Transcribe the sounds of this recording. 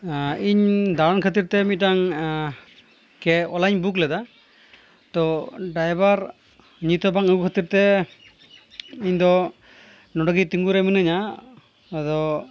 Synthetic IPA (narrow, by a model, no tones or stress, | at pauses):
iɲd̪aɾɔnkʰət̪̬iɾt̪ɛmit̪̚ʈaŋ | kɛɔlaɲbuk̬lɛd̪a | t̪ɔɖajbaɾ | ɲit̪ɔbaŋəkʰət̪iɾt̪ɛ | iɲd̪ɔ | nɔɖɔɡit̪iŋɡuɾɛmənɯɲa | d̪ɔ